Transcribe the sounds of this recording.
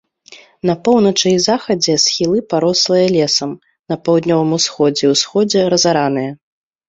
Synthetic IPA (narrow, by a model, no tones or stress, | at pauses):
nɐpɔwnɐt͡ʂɨizaxɐd͡zʲɛsxʲilˠɨpaɾɔslˠɐjɐlʲɛsɐm | nɐpawd̪nʲɔvɐmusxɔd͡zʲɛwsxɔd͡zʲɛɾɐzaɾanɨjɐ